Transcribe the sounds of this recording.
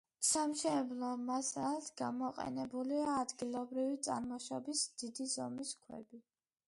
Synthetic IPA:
samʃɛblˠɔmasat̪ʰɡ̥amɔqʼɛ̰nɛbuliaːd̪ɡilˠɔbɾivit̪sʼa̰ɾmɔʃɔbisd̪̥id̪izɔmiskʰwɛ̰bi

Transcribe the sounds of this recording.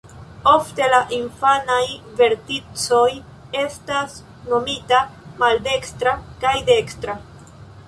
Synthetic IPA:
o̞fte̞laʔinfanajve̞ɾtit͡so̞j | e̞stas | no̞mitamalde̞kstɾakajde̞kstɾa

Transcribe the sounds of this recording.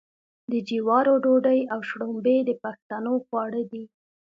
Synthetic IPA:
d̪əd͡ʒiwɑɾoɖoɖəjawʃɽombed̪əpaxt̪anoxwɑɽəd̪i

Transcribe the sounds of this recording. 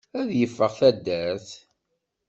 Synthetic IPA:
æðjəfːəʁθæd̪ːæɾθ

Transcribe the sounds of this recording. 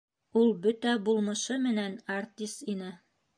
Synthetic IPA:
ulˠbɵt̪æbulˠmɤ̆ʃɤmɘ̆nænart̪ʲist̪inɘ

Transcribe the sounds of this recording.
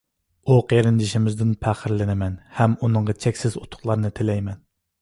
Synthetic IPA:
uqʰeɾɪnd͡ʒ̪ɪʃɪmɪzd̪ɪnpʰæχɪɾlɪnɪmɛnhɛmunɨɴʁɑt͡ʃʰɛkʲsɪzot̪ʰʊ̥χlˠɑɾnɨt̪ʰɪlɛjmɛn

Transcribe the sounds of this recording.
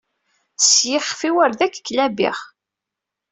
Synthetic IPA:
sjɪχfiwæɾðækːkːlæbḭχ

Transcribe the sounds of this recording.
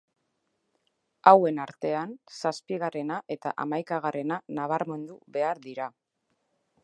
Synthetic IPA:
awe̞naɾt̪e̞ansaspiɣ̞are̞naʔe̞t̪a̰ʔa̰majkaɣ̞are̞nanaβ̞aɾme̞nd̪uβe̞aɾðiɾa

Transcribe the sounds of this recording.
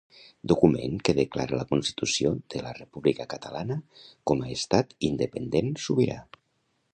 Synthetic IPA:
d̪ukumḛŋkəðəklaɾələkunst̪i̥t̪usiod̪̥ələrəpuβlikəkət̪əlanəkɔməest̪at̪ind̪əpənd̪ensuβiɾa̰

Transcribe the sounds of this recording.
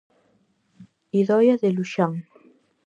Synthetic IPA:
iðɔjaðeluʃaŋ

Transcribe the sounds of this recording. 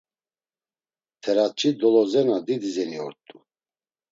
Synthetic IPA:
t̪ʰɛɾat͡ʃʰʼid̪ɔlɔzɛnad̪id̪izɛniɔɾt̪ʼu

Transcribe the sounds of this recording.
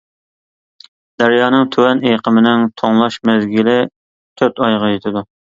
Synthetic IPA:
d̪̥æɾjɑːnɨŋt̪ʰywɛnejqʰəmɪnɪŋt̪ʰoŋlˠɑʃmɛzɡʲilɪ | t̪ʰøɾt̪ɑjʁɑjet̪ʰɪd̪u

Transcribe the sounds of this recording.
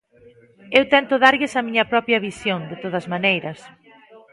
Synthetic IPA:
ewt̪ɛnt̪ʊðaɾʎɪsɐmiɲɐpɾɔpjɐβisjoŋd̪et̪oð̞ɐzmanejɾɐs

